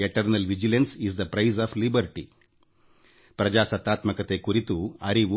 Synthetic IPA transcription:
eʈɐɾnɐlʋid͡ʒilɐ̃nsizd̪ɐpɾɐjzaːflibɐɾʈi | pɾɐd͡ʒaːsɐt̪ːaːt̪mɐkɐt̪ekuɾit̪uɐɾiʋu

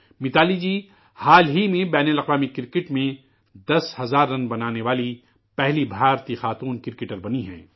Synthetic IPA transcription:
mɪt̪aːlid͡ʒiː | haːlɦimẽbɛːnəlɐqʋaːmikɪɾkɪʈmẽ | d̪ɐshɐzaːɾːɐnbɐnaːneʋaːli | pɛɦlibʱaːɾt̪ixaːt̪uːnkɪɾɪkɪʈəɾbɐniɦɛ̰̃ː

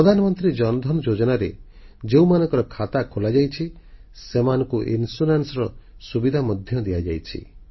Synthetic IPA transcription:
ɾɔd̪ʱanɔmɔnt̪ɾid͡ʒɔnɔd̪ʱɔnɔd͡ʒod͡ʒɔnaɾe | d͡ʒeũmanɔ̃ŋkɔɾɔkʰat̪akʰolad͡ʒajt͡ʃʰisemanɔ̃ŋkuʔinsunansɔɾɔsubid̪ʱamɔd̪ʱjɔd̪iad͡ʒajt͡ʃʰḭ

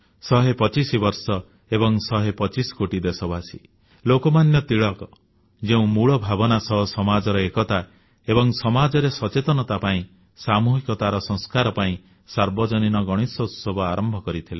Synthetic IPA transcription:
sɔɦepɔt͡ʃisibɔɾsɔ | ebɔŋsɔɦepɔt͡ʃisɔ̥koʈid̪esɔbasi | lokɔmanjɔt̪iɭɔkɔ | d͡ʒeũmuɭɔbʱabɔnasɔɦɔsɔmad͡ʒɔɾɔekɔt̪a | ebɔŋsɔmad͡ʒɔɾesɔt͡ʃet̪ɔnɔt̪apaĩ | samuɦikɔt̪aɾɔsɔ̃ŋ̃skaɾɔpaĩ | saɾbɔd͡ʒɔninɔɡɔɽ̃isɔut̪sɔbʱɔaɾʔɔmbʱɔkɔɾit̪ʰile

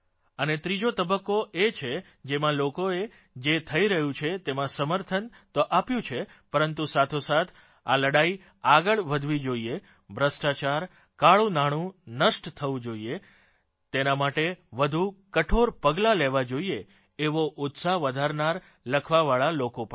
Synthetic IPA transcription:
ənet̪ɾid͡ʒot̪əbəkːoʔet͡ʃʰe | d͡ʒemãlokoe | d͡ʒet̪ʰəiɾəɦũt͡ʃʰet̪emãsəməɾt̪ʰən | t̪oʔapjũt͡ʃʰe | pəɾənt̪usat̪ʰosat̪ʰ | a̰ləɽai | aɡəɭʋəd̪ʱʋid͡ʒoie | bʱɾəsʈat͡ʃaɾ | kaɭũnaɽ̃ũnəʃʈt̪ʰəʋũd͡ʒoie | t̪enamaʈeʋəd̪ʱukəʈʰoɾpəɡlaleʋad͡ʒoieː | ʋoʔʊt̪saɦʋəd̪ʱaɾnaɾ | ləkʰʋaʋaɭalokopəɳ

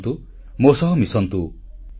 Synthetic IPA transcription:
t̪u | mosɔɦɔmisɔnt̪u

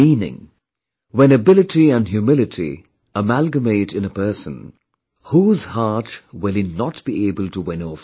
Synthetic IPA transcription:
ĩːnɪ̰̃ŋ | wɛ̃nɨbɪlɨtiə̃nɦjumɪlɪtʰḭ | əmælɡəmeɪɾɨ̃nəpɜ˞sə̃n | huːzhɑːtwɪlˠinɔtb̥ieɪbəlˠtəwɪ̃nof

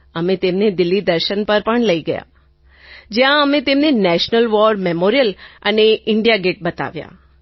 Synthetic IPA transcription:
əmẽt̪emned̪ɪlːid̪əɾʃənpəɾpəɳləiɡəja̰ | d͡ʒjãəmẽt̪emnenɛʃnəlʋɔɾmemoɾijələneɪɳɖijaɡeʈ̚bət̪a̰ʋja̰

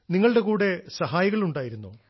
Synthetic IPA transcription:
niŋːɐɭɨɽe̞kuːɽe̞sɐɦaːjɐɣɐɭuɳɖaːjiɾunːoː

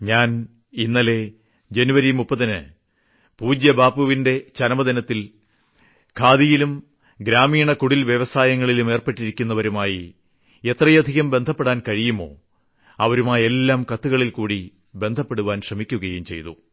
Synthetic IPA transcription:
ɲaːn | inːɐle̞ | d͡ʑenuʋɐɾimupːɐðɐnɨ̰ | puːd͡ʑjɐbaːpːuʋinde̞t͡ɕɐnɐmɐd̪inɐt̪ːil | kʰaːðijilum | ɡɾaːmiːɳɐkuɽilʋjeʋɐsaːjɐŋːɐɭilume̞ːrpe̞ʈːiɾikʲːunːɐʋɐɾumaːji | e̞t̪rɐjɐd̪ʱiɣɐmbe̞nd̪ʱɐpːe̞ɽaːnkɐɻijumo̞̰ː | ɐʋɐɾumaːje̞lːaːmkɐt̪ːuɣɐɭilkuːɽi | be̞nd̪ʱɐpːe̞ɽuʋaːnɕrɐmikʲːuɣɐjumt͡ɕe̞jt̪ṵ

